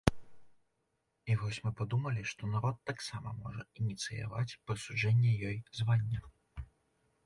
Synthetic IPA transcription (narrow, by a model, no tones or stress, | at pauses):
ivɔsʲmɨpad̪umɐlʲiʂt̪ɔnaɾɔt̪ːaksamɐmɔʐɐinʲit̪sɨja̰vat͡sʲpɾɨsuʐɛnʲːɛjɔjzvanʲːɐ